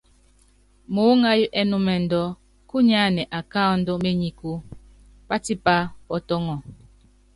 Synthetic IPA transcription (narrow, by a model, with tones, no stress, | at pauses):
mo˨˦ŋa˦ju˦ʔɛ˦nu˦mɛ˨n̩˨dɔ˦ | ku˦ɲa˦nɛ˨ʔa˨ka˦n̩˦dɔ˦me˦ɲi˨ku˦ | pa˦ti˦pa˦pɔ˦tɔ˦ŋɔ˨